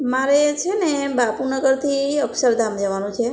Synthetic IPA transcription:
maɾet͡ʃʰenebapunəɡəɾt̪ʰiəksəɾd̪ʱamd͡ʒəʋanũt͡ʃʰe

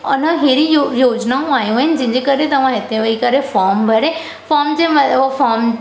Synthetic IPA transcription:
ʊnəɦeːɾijojoːd͡ʑnaõaːɦijũɪnɪ̆d͡ʑɐ̃ɦɪ̃ɲd͡ʑekɐɾet̪ɐʋ̤ãɦɪt̪ʰeʋɐikɐɾefɔːɾmbʱɐɾe | fɔːɾmd͡ʑeːmɐfɔːɾm

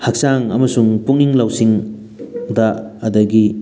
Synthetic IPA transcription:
hak̚saŋɐmɐsuŋpuŋiŋlawsiŋ | dɐːdɐɡi

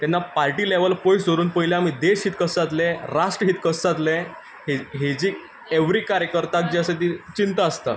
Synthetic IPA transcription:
t̪ɛnːapaɾʈiːleʋəlpojsd͡zʱoɾuːnpəjleamid̪eɕɦiːt̪kəsat̪̬leɾaʂʈɾəɦiːt̪kəsat̪le | ɦeɦed͡ʑiː | eʋɾiːkaɾjəkəɾt̪ak̚d͡ʑiəset̪̬it͡ɕint̪aːst̪a̰

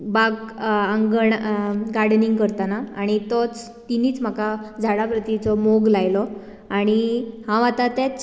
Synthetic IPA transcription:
baɡəŋɡəɳɡaɾɽniŋɡkəɾt̪anaaɽ̃it̪ɔt͡s | t̪iniːt͡sm̤akad͡zʱaɽapɾət̪it͡sɔmoɡlajlɔ | aɽ̃ihãʋat̪at̪at͡s

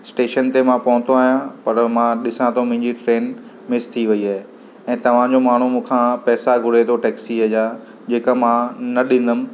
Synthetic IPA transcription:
sʈeːʃənt̪emãpɐɦʊ̃nt̪ʰoaːɦijãpɐɾmãɗɪsãt̪ʰomɪ̃ɦɪ̃ɲd͡ʑiʈɾeːn | mɪst̪ʰiʋɐiaːɦe | ɛ̃ːt̪ɐʋ̤ãd͡ʑomaːɳ̤umũːkʰãpɛːsaɡʱʊɽ̤et̪ʰoʈɛːksiɦɐja | d͡ʑeːkamãnɐɗɪ̃n̆d̪əmɪ̆

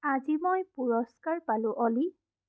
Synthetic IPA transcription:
azimojpuɹɔskaɹpalʊ̃ʔɔli

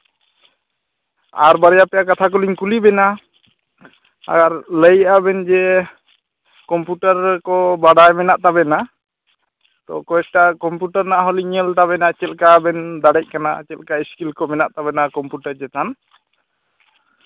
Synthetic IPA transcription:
a̰ɾbaɾjapɛjakat̪ʰak̬ɔliɲkulibɛna | a̰ɡaɾləjabɛnd͡ʒɛ | kɔmpjuʈaɾkɔbaɽajmɛnaʔt̪abɛna | t̪ɔ̰kɔɛʈakɔmpjuʈaɾnaʔaɦɔliɲəlt̪aβɛnat͡ʃɛlkabɛnd̪aɽɛc̚kana̰t͡ʃɛlkaiskilkɔmɛnaʔt̪aβɛnakɔmpuʈaɾd͡ʒɛt̪an

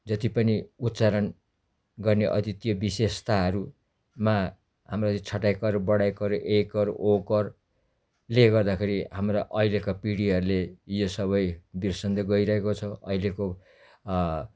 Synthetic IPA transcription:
d͡zʌt̪ipʌniut̪t͡saɾʌn | ɡʌrneʔʌ̰t̪it̪jobisest̪aɦʌɾu | ma | ɦamrot̪it͡sʰʌʈajkʌɾbʌɽajkʌɾʔekʌɾokʌr | leɡʌrd̪akʰeɾiɦamroʔʌilekapiɽiɦʌɾulejosʌβʌjbirsʌnd̪eɡʌiɾʌɦekot͡sʰʌʌileko

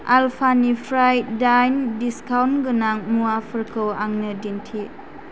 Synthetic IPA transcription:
alpʰanipʰɾajdajndiskawnɡɯnaŋmuapʰəɾkʰɯwaŋnɯdintʰi

